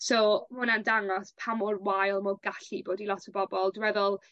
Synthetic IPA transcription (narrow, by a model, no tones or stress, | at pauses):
somʊnandaŋɔspʰamʊrwajlˠmɔɡaɬiboːdilˠɔtʰəbɔbɔlˠdwɛðɔlˠ